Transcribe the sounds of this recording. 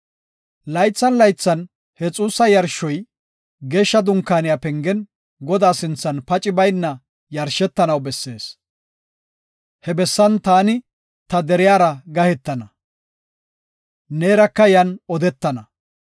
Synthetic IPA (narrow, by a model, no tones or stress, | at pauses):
lɐjt͡sːɐnlɐjt͡sːɐn | hɛt͡sʼuːsɐjɐɾʃɔj | ɡeːʃːɐd̪ʊŋkːaːnɪjaːpɛŋɡɛn | ɡɔd̪aːsɪnt͡sːɐnpɐt͡ʃʼɪbɐjnːɐ | jɐɾʃɛt̪ːɐnɐwbɛsːe̞ːs | hɛbɛsːɐnt̪aːnɪ | t̪ɐd̪ɛɾɪjaːɾɐɡɐhɛt̪ːɐnɐ | neːɾɐkːɐjɐnɔd̪ɛt̪ːɐnɐ